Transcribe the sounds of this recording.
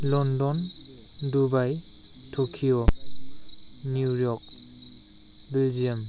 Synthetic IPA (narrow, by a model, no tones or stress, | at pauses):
lɔndɔn | dubaj | tʰokʰiɔ | niujɔk̚ | bɛld͡ʒijam